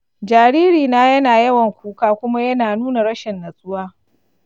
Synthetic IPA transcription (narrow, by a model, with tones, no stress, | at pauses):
d͡ʒaː˨ɾiː˦ɾiː˨naː˦jɐ˦naː˨jɐ˦wɐ˨ŋkʷuː˦kaː˦kʷʊ˦ma˦jɐ˦naː˨nuː˦na˨ɽɐ˦ʃɛ˨nːɐ˨sʼʊ˦waː˦